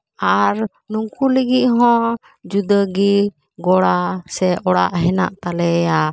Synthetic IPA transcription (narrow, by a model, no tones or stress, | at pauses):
aɾ | nuŋkuləɡit̪̚ˀɦɔ̃ | d͡ʒud̪əɡi | ɡɔɽasɛʔɔɽa̰ʔɦɛna̰ʔt̪alɛja